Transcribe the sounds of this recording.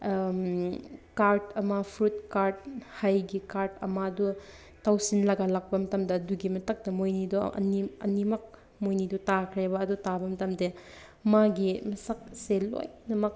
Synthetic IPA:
kaɾtɐmɐpʰɾut̚kaɾt̚hajɡikaɾtɐ̰mɐːdu | tawsinlɐɡalak̚pɐmɐtɐmdɐːduɡimɐtɐk̚tɐmojniduʔɐ̰niɐ̰nimɐk̚ | mojnidutakʰɾebɐːdutabɐmɐtɐmde | maɡimɐsɐk̚selo̰jnɐmɐk̚

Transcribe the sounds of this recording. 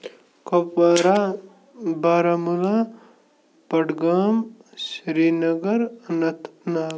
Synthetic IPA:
kopaɾa | baːɾamula | pɐɽɡaːmsɾiːnɐɡəɾnɐt̪ʰna

